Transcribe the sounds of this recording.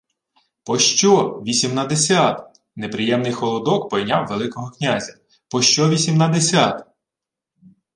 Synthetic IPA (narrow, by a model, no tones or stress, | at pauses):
pɔʃt͡ʃɔʋʲisʲimnɐd̪esʲat̪ | nepɾɪjɛmnɪjxɔlˠɔd̪ɔkpɔjnʲawʋelˠɪkɔɦɔknʲazʲɐ | pɔʃt͡ʃɔʋʲisʲimnɐd̪esʲat̪